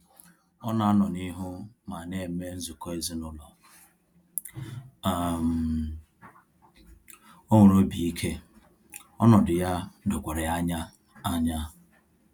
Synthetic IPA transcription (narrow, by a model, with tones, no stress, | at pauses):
ɔ˦na˨a˦nɔ˨ni˦ɦʊ˦ma˨ne˦˨me˦n̩˦zʊ˨ko˦e˨zɪ˦nʊ˨lɔ˨ | a˨m̩˨ | o˦ŋʷʊ˨ɾo˦bi˨i˦kʰe˦ | ɔ˦nɔ˨dʊ˨ja˦dʊ˨kʷe˨ɾɪ˨a˦ɲa˦ | a˦ɲa˦